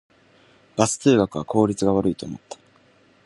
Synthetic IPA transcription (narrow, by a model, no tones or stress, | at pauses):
b̥asɨ̥t̪eːɡakɯ̟βakʰo̞ːɾʲit͡sɨɡaβaɾɯ̟it̪o̞ːmo̞̰t̪ːḁ